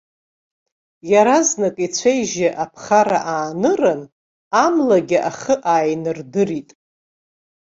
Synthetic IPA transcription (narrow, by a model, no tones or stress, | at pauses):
jaɾaznakʼit͡sʷʰejʒɪʔapʰχaɾa̰ʔaːnɨrɨn | amlaɡʲɪʔaχəʔaːjnɨrdɨritʼ